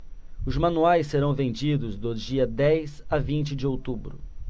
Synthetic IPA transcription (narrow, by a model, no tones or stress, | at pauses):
ʊzmɐ̃nuajsːeɾɐ̃w̃vẽnd͡ʒid̪ʊzd̪ʊd͡ʒiɐd̪ɛjsavĩnt͡ʃɪd͡ʒɪowt̪ubɾʊ